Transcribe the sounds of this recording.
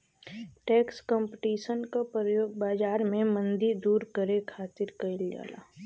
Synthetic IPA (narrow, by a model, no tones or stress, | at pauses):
ʈɛːkskɔ̃mpɪʈiːʃənkapɾəjoːɡ̚baːd͡ʒaːɾmẽmə̃nd̪iɾd̪uːɾkəɾekʰaːt̪ɪɾkɐɪlja̰ːla̰ː